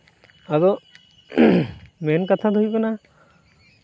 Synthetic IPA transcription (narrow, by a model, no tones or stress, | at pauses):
ad̪ɔ | mɛnkat̪ʰad̪ujbɔna